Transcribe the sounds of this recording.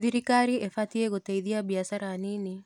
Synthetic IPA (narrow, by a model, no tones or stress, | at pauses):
ðiɾikaɾiefat̪ieɣot̪eiðiabiasaɾanini